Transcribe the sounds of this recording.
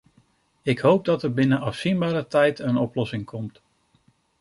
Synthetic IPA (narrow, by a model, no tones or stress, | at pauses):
ɪkɦowp̚dɑtəɹbɪnənʔɑfsinbaːɾətɛjtənɔplɔsɪŋkʰɔmt